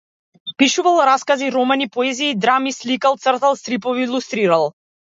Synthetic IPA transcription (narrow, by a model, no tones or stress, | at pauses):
piʃuvalˠɾaskaziɾɔmɛnipɔɛziːd̪ɾamislikalˠt̪sərt̪alˠst̪ɾipɔviːlˠust̪ɾiɾalˠ